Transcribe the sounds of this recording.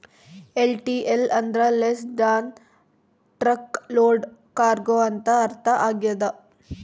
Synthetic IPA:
elʈiʔelɐnd̪ɾɐlesɖaːn | ʈɾɐkloːɖkaːɾɡoːɐnt̪ɐːɾt̪ʰɐʔaːɡijɐd̪ɐ

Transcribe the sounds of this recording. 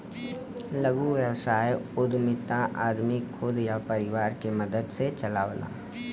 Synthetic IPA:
ləɡuʋjəwsaːjʊd̪mɪt̪ãʔaːd̪mikʰʊd̪japəɾɪwaːɾkeməd̪əd̪set͡ʃəlaːʋla̰ː

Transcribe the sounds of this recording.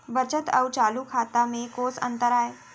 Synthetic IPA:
bət͡ʃət̪ɐ̰wt͡ʃaːlukʰaːt̪amẽkoːsə̰̃nt̪əɾaːeː

